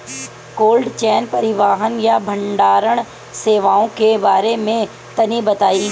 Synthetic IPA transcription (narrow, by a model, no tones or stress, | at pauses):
koːlɖt͡ʃɛːnpɐɾɪʋaːɦənjabʱɐ̃ɳɖaːɾəɽ̃ | seːʋaːõkebaːɾemẽ | t̪ɐnibɐt̪aːi